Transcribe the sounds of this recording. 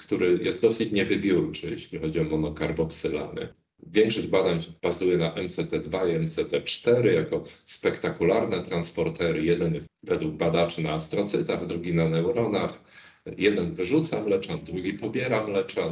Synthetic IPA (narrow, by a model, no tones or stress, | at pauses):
kt̪uɾɘjʔɛ̰st̪ɔsɘt͡ɕɲɛvɘbʲjuɾt͡ʂɘjɛ̰ɕlʲixɔd͡ʑiɔmɔnɔkaɾbɔksɘla̰nɛ̰ | vʲjɛŋkʂɔʑbad̪aɲb̥azujɛnaʔɛmt̪sɛt̪ɛd̪vaiɛmt̪sɛt̪ɛt͡ʂt̪ɛɾɘjakɔspɛkt̪akulaɾnɛt̪ɾanspɔɾt̪ɛɾɘjɛd̪ɛnjɛst̪vɛd̪wuɡ̚bad̪at͡ʂɘnaːst̪ɾɔt̪sɘt̪aɣd̪ɾuɡʲinanɛwɾɔnaxjɛd̪ɛnvɘʐut̪samlɛt͡ʂad̪ɾuɡʲipɔbʲjɛɾamlɛt͡ʂa